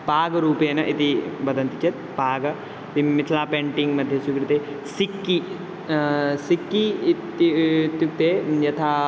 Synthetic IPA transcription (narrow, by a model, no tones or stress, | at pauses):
paːɡɐɾuːpeːnɐʔit̪ibɐd̪ʱɐnt̪it͡ʃet̪̚paːɡɐ | t̪imit̪ʰlaːpeɳʈiŋɡmɐd̪ʱjesukɾit̪e | sikːi | sikːit̪t̪juk̚t̪eːjɐt̪ʰaː